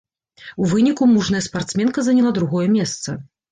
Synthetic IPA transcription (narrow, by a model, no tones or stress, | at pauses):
uvɨnʲikumuʐnɐjɐspart̪smʲɛnkɐzɐnʲɛlˠad̪ɾuɣɔjɛmʲɛst̪sɐ